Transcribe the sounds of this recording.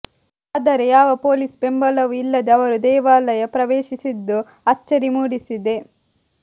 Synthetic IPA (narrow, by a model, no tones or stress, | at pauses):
aːd̪ɐɾejaːʋɐpo̞ːlisbe̞mbɐlɐʋuilːɐd̪eɐʋɐɾud̪ɛːʋaːlɐjɐpɾɐʋeːʃisid̪ːu | ɐt͡ʃːɐɾimuːɽisid̪e̞